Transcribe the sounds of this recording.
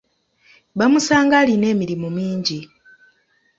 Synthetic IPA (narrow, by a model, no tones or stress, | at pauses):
βamusaːŋɡaline̞ːmiɾimumiːɲɟi